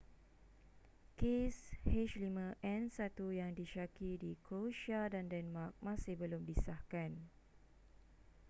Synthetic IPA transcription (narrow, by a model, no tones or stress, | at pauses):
kesheʃlimə̃ʔɛ̃nsat̪ujaŋdiʃakidikʰoʃadandɛnmak̚mãsɪhbəlʊmbisahkan